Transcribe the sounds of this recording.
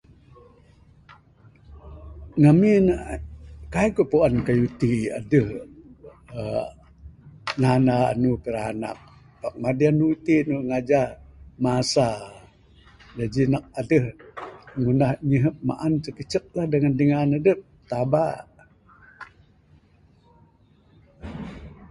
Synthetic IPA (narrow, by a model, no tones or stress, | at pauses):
ŋaminaʔkaikuʔpuankajut̪ia̰dəh | ə | nanaa̰nupəɾana̰k̚ | bak̚madianut̪inuŋad͡ʒamasa | d͡ʒad͡ʒinak̚adəh | ŋunahɲəɦəp̚ma̰ʔansəkət͡ʃək̚lahdəŋandəŋanadəp̚t̪aba